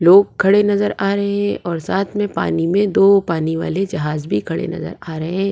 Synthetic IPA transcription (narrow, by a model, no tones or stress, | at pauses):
loːɡ̚kʰɐɽenɐzəɾaːɾɐɦeɦɛ̃ʔɔːɾsaːt̪ʰmẽpa̰ːnimẽd̪oːpaːniʋa̰ːled͡ʒɐɦaːzbʱikʰɐɽḛnɐ̰zə̰ɾaːɾɐɦeɦɛ̃ː